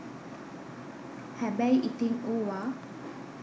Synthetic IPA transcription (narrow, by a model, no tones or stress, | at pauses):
hæbæjʔit̪iŋoːʋa